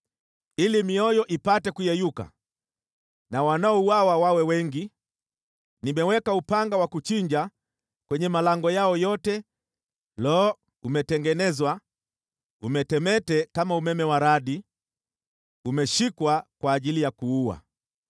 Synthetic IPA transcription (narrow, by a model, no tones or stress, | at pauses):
ilimiɔjɔʔipatɛkujɛjuka̰ | nawanaɔuawawawɛwɛŋɡi | nimɛwɛkaupaŋɡawakut͡ʃiɲd͡ʒa | kwɛɲɛmalaŋɡɔjaɔjɔtɛ | lɔː | umɛtɛŋɡɛnɛzwa | umɛtɛmɛtɛkamaumɛmɛwaɾaɗi | umɛʃikwakwaːʄilijakuuwa̰